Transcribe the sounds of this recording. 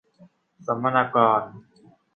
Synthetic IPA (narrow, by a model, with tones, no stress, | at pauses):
sa˩˦mːa˧naː˧kɔː˧n